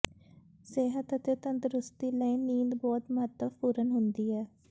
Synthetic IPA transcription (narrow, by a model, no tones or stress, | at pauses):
seːɦət̪ət̪eːt̪ənt̪ɾʊst̪iːləiniːd̪bɔːt̪məɦət̪əpuːɾənɦʊnd̪iːɛː